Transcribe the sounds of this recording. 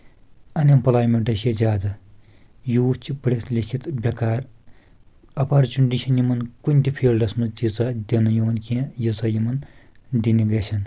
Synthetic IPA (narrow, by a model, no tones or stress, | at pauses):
ɐnʲɐmpɐlaːjmeɳʈɐezʲaːd̪ɐ | juːt͡ʃʰipɐɽet̪lʲikʰit̪bʲɐkaːɾ | ɐpaːɾt͡ʃuɳɖiʃʰɐnjimɐnkunʲt̪ʲipʰeːɾlɐsmɐt̪it͡sad̪ʲinɐjoːnkẽːjit͡sɐjimɐnd̪iniɡɐsʰɐn